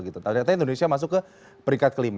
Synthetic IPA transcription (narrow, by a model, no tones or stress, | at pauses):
ɡit̪ut̪adkat̪aindonesiamas̬ʊkːə | pəɾiŋkat̪̚kəlim